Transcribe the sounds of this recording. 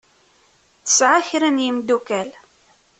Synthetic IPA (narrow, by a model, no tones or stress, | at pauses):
θə̥sʕaçɾænjəmd̪ukæl